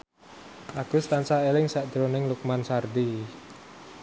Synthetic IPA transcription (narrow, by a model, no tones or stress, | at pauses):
ʔaɡ̥ʊst̪ant͡ʃaelɪŋsaʔd̪̥ɾonɪŋluk̚mansard̪i